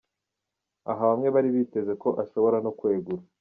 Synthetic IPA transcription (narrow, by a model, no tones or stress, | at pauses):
a̰ɦaβamŋe̞βaɾiβiːte̞ze̞ko̞ʔaʃo̞βo̞ɾano̞kwe̞ːɡuɾa